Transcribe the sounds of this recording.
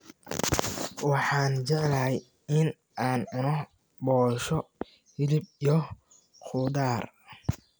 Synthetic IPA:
wɑħɑːnt͡ʃɛʕlɐɦɛj | ɪn | ʔaːnʕʊnɔ | bɔːʃɔ | hɪlɪbijɔ | qʰʊd̪aːr

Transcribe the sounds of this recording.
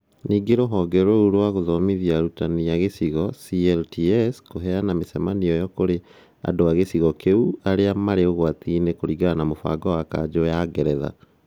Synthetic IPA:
niːɡeɾoɦɔːɡɛɾouɾwaɣoðɔmiðiaɾutanijaɣesiɣɔsiɛltiɛskoɦɛanamesɛmaniɔjɔkoɾe | a̰doaɣesiɣɔkeuaɾeamaɾeoɣwat̪inekoɾiɡanamofa̰ɡɔwaka̰d͡ʑojaɡɛɾɛða̰

